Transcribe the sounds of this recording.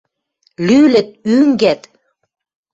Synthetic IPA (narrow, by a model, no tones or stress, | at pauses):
lylə̆t̪̚yŋɡæt̪